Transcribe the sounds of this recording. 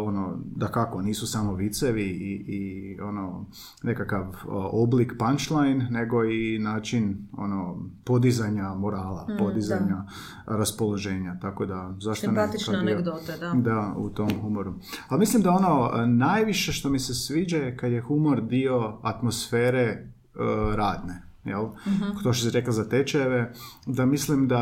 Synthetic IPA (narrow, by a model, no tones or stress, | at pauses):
o̞no̞d̪akako̞niːsusamo̞ʋit̪seʋiiio̞no̞ | ne̞kakaʋoblikpant͡ʃlˠajnːe̞ɡo̞inaːt͡ʃino̞̰no̞po̞d̪izaɲamoɾaːla̰po̞d̪izaɲa | ɾaspo̞lˠoʒe̞ːɲat̪ako̞d̪azaʃt̪onekaiod̪d̪aṵt̪o̞mxumoɾualmislimd̪ao̞no̞najʋiʃe̞ʃt̪o̞misesʋiːd͡ʒaekad̪je̞xumoɾd̪io̞at̪mo̞sfeːɾe̞ | ɾaːd̪ne̞ | jḛlˠt̪oʃsiɾeklazat̪et͡ʃeʋed̪amislimd̪a